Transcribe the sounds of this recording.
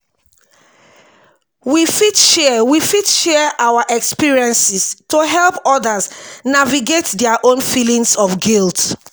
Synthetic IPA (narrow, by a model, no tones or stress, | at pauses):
wifidʃɛwifidʃɛʔawaʔɛkspiɹiɛ̃nsistoɦɛlˠpɔdəznaviɡetdɛaʔõnfilĩŋsɔfɡilt